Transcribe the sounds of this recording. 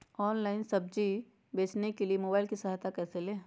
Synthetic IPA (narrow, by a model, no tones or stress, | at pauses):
ɔːnlaːɪnsɐb̚d͡ʒi | beːt͡ʃnekeliemoːbaːɪlkisɐɦaːt̪akɛːseleː